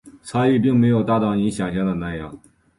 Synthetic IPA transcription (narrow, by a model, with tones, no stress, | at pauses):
t͡sʰa˥i˥˧p̬i˥˩ŋme˧˥ɪjo˨˩ʊt̪a˥t̪ɑ˥˩ʊi˧˥ŋɕjɑ˨˩ŋɕjɑ˥˩d̪ə˩na˥˧ɪjɑ˥˩ŋ